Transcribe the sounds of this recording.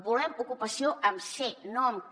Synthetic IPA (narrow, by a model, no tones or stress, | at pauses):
bulɛmukupasioʔəmsenɔm